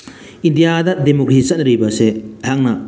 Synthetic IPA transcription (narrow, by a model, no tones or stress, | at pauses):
indijadɐdemokɾisɐnɾibɐseɦaŋnɐ